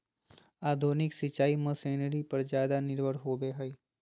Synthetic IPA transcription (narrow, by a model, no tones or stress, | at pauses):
aːd̪ʱoːnɪksɪt͡ʃaːimə̃seːnəɾipɐɾd͡ʒjaːd̪anɪɾʋəɽɦoːbeɦɐi